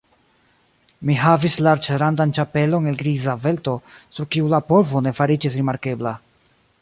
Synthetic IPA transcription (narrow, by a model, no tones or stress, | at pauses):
miɦavislaɾt͡ʃeɾandant͡ʃape̞lo̞ne̞lɡɾizave̞lto̞suɾkiulapo̞lvo̞ne̞faɾid͡ʒisɾimaɾke̞bla